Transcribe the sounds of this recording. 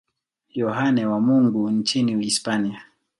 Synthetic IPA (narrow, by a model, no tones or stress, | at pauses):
jɔɦanɛwamuŋɡuɲt͡ʃiniispania